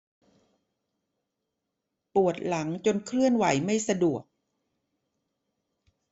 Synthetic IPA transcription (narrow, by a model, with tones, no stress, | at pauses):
pu˨˩ət̪̚la˩˦ŋt͡ɕo˧nkʰlɯ˥˩ənwa˩˦jma˥˩jsa˧du˨˩ək̚